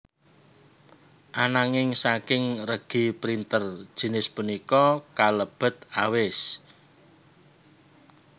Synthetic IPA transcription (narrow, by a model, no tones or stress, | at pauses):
ʔanaŋɪŋsakɪŋrəɡ̥i̤pɾint̪ər̥ʒ̥i̤nɪspunikɔkaləb̥ə̤t̪̚awɪs